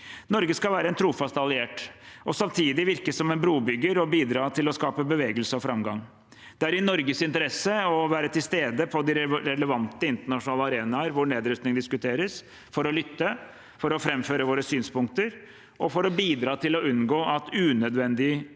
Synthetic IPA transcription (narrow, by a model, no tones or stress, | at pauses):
nɔɾɡəskɑʋæːɾəɛnt̪ʰɾuːfɑst̪ɑlɪeːʈɔsɑmt̪ʰiːd̪ɪʋɪɾkəsɔmɛnbɾuːbʏɡəɾɔbiːd̪ɾɑːt̪ʰɪlɔskɑːpəbəʋeːɡəlsəɔfɾɑmɡɑ̰ŋ | d̪ɛæɾɪnɔɾɡəsɪnt̪əɾɛsːəɔʋæːɾət̪ʰɪlst̪eːd̪əpʰɔd̪ɪɾɾɛləʋɑnt̪əɪnt̪əɳɑʂʊnɑːləɑɾeːnɑəɾʋʊɳeːd̪ɾœst̪nɪŋd̪ɪskʉt̪ʰeːɾəs | fɔɾɔlʏt̪ːə | fɔɾɔfɾɛmføːɾəʋoːɾəsyːnspʊŋkt̪əɾ | ʔɔfɔɾɔbiːd̪ɾɑːt̪ʰɪlɔʉnɡoːʔɑt̪ʉnœd̪ʋɛnd̪ɪ